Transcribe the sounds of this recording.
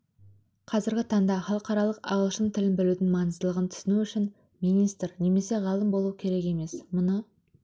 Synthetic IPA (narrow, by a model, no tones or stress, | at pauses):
qʰɑzɪɾɡʲɪt̪ʰɑɴd̪ɑχɑlˠəqɑɾɑlˠəqɑ̰ʁəlˠʃənt̪ʰɪlɪnbɪlud̪ɪŋmɑnəzd̪əlˠəʁənt̪ʰʏ̥sɪnuʏʃɪn | minijst̪rne̞me̞se̞ʁɑlˠəmbo̞lˠuwkʲʰe̞ɾe̞ke̞me̞smʊnə